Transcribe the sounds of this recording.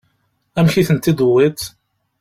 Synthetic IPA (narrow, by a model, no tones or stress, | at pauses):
æmçiθənt̪id̪uwːit̪